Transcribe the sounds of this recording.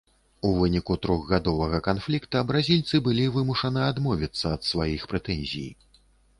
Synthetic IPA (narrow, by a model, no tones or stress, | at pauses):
uvɨnʲikut̪ɾɔɣɣad̪ɔvɐɣɐkanflʲikt̪ɐbɾazʲilʲt̪sɨbɨlʲivɨmuʂɐnɨad̪mɔvʲit̪sːɐːt̪svajixpɾɛt̪ɛnʲzʲḭj